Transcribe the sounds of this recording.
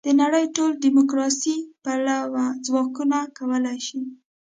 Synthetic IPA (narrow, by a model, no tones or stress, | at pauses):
d̪̥ənaɽəjʈolɖimʊkɾɑsipalawazwɑkunakawəlajʃi